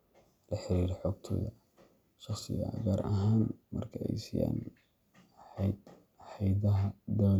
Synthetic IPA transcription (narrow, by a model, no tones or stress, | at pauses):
lɐħɪɾiːɾɛħɔːɡt̪ʰɔ̰ːðɐ | ʃɑχsɪ̰ɣɐ̰ɡaːɾɐɦaːnmɐrkʰɐɛjsija̰ːn | d̪ | ħɑjdɐɦɐd̪aː